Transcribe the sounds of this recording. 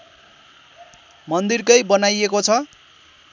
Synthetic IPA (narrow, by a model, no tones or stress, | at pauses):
mʌnd̪irkʌjbʌnajekot͡sʰʌ